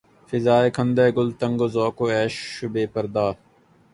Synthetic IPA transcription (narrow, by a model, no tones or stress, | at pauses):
fɪzaːeːkʰə̃nd̪eːɡʊlt̪əŋɡoːzoːkoːɛːʃʊbeːpəɾd̪aː